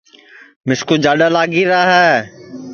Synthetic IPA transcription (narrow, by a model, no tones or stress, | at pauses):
mɪskud͡ʒaːɗalaːɡiɾaːɦɛː